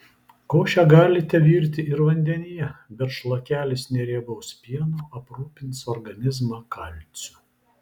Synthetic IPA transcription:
koːʃʲɛɡɑːlʲɪt̪ʲɛʋʲiːɾʲt̪ʲɪɪɾʋɐnʲd̪ʲɛnʲɪjɛbʲɛt̪ʃlˠɐkʲæːlʲɪsnʲɛɾʲiɛbɐʊspʲiɛnuːɐpɾuːpʲɪnt̪sɔɾɡɐnʲɪzmɑːkɐlʲt̪sʲʊ̥

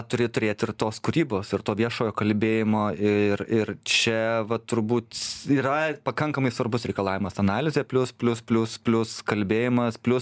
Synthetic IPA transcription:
t̪ʊɾʲɪt̪ʊɾʲeːt̪ʲɪrt̪oːskʊɾʲiːboːsɪrt̪oːʋʲiɛʃoːjoːkɐlʲbʲeːjɪmoːɪrɪrt͡ʃʲɛʋɐt̪ʊɾbuːt̪iːɾɐpɐkɐŋkɐmɐɪsʋɐrbʊsɾʲɛɪkɐlˠɑːʋʲɪmɐsɐnɑːlʲɪzʲeːpʲlʲʊspʲlʲʊspʲlʲʊspʲlʲʊskɐlʲbʲeːjɪmɐspʲlʲʊs

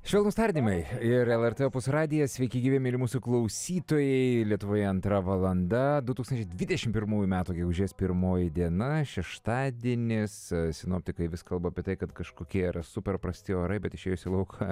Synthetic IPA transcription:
ʃʲʋʲɛlˠnuːst̪ɐɾʲd̪ʲimɐɪɪɾɛlˠɛɾt̪eɛpʊsɾɑːd̪ʲɪjɛsʲʋʲɛɪkʲɪɡʲiːʋʲemʲɪɾmuːsʊklˠɐʊsʲiːt̪oːjɛɪlʲiɛt̪ʊʋoːjɛɐnt̪ɾɐʋɐlˠɐnd̪ɐd̪ʊt̪uksɐnt͡ʃʲɛɪd̪ʲʋʲɪd̪ʲɛʃʲɪmpʲɪɾmuːjumʲæːt̪uːɡʲɛɡʊʒʲeːspʲɪɾmoːjɪd̪ʲiɛnɐʃʲɛʃt̪ɑːd̪ʲiɛnʲɪssʲɪnoːpʲt̪ʲɪkɐɪʋʲɪskɐlˠbɐːpʲiɛt̪ɐɪkɐt̪kɐʃkoːkʲiɛɪɾɐsʊpʲɛɾpɾɐsʲt̪ʲɪoːɾɐɪbʲɛt̪ɪʃʲeːjʊsʲɪlˠɐʊkʰɐ

